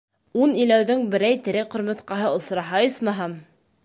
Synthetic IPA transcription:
unilæwðɘŋbɘ̆ɾæjt̪ɘ̆ɾɘqŏɾmɤ̆θqɑɦɤŏsɾɑɦɑjɤsmɑɦɑm

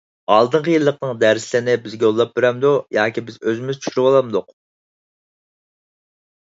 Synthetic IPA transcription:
ɑlˠd̪ɨɴqʰəjɨlˠːəqnɨŋd̪æɾslɪnɪbɪzɡʲɛjolˠːɑp̚beɾɛmd̪ujɑːkʲibɪzøzɪmyzt͡ʃʰy̥ʃyɾywɑlˠɑmd̪ʊq

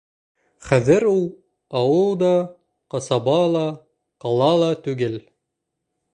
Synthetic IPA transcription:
χæðɘɾulˠ | ɑwɤlˠd̪ɑ | qɑsɑβɑlˠɑ | qɑlˠɑlˠɑt̪ʉɡɘl

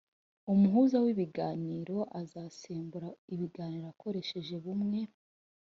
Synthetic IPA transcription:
umuɦuzawiβiɡaːniːɾo̞ʔazasiːmbuɾaiβiɡaːniːɾoako̞ɾe̞ʃe̞ʒe̞βumŋe̞

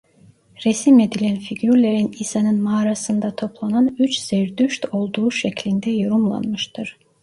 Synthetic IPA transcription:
ɾesime̞d̪ilʲænfiɟyɾlʲeɾinisanɯnmaːɾasɯnd̪at̪ʰo̞plˠananyt͡ʃz̥eɾd̪yʃt̪ʰo̞lˠd̪uːʃɛclʲind̪ɛjoɾumlˠa̰nmɯʃt̪ʰɯɾ̥

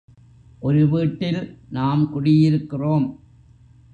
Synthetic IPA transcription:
ʔɔɾɯʋiːʈːɪlnaːmkʊɽɪjɪɾɯkːɪroːm

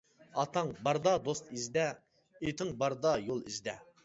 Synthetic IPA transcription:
ɑt̪ʰɑŋbɑɾd̪ɑd̪ost̪izd̪ɛ | et̪ʰɪŋbɑɾd̪ɑjolˠḭzd̪ɛ

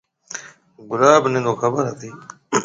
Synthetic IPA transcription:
ɡʊlaːbnẽːnd̪oːxʰəbəɾɦət̪ʰiː

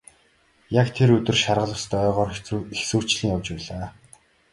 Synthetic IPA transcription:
jakt̪ʰeɾɵt̪ɵ̆rʃarʁə̆ɮə̆wst̪œːʁɔːrexsu̥ːt͡ɕɮĭŋjawt͡ɕpæːɮaː

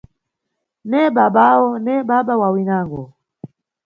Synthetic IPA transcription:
nɛɓaɓaɔnɛɓaɓawawinaŋɡɔ

